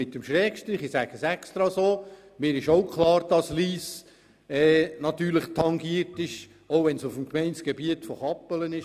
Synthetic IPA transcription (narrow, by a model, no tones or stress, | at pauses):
ɪtəmʃɾɛːkʃtɾiːχisæɡ̥əsɛkst̪ɾɑsoː | mɪːɾɪʃoʊkʰχlˠɑːɾd̥ɑsliːs | ɛːnɑt̪yːɾləχtʰɑŋɡiəɾtɪʃ | oʊʋɛnsufm̩kmɛɪnsɡ̥ebiətfoχɑpːələnɪʃ